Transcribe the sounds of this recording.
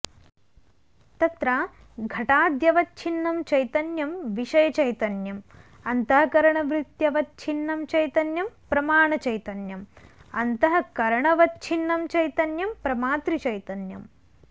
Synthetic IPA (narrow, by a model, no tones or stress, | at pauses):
t̪ɐt̪ɾaː | ɡʱɐʈaːd̪jɐʋɐt̪̚t͡ʃʰinːɐmt͡ʃɐjt̪ɐnjɐmʋiʂɐjɐt͡ʃɐjt̪ɐnjɐm | ɐnt̪ɐɦɐkɐɾɐɳɐʋɾit̪jɐʋɐt̪̚t͡ʃʰinːɐmt͡ʃɐjt̪ɐnjɐmpɾɐmaːɳɐt͡ʃɐjt̪ɐnjɐmɐ̰nt̪ɐɦɐkɐɾɐɳɐʋɐt̪t͡ʃʰinːɐmt͡ʃɐjt̪ɐnjɐmpɾɐmaːt̪ɾit͡ʃɐjt̪ɐnjɐ̰m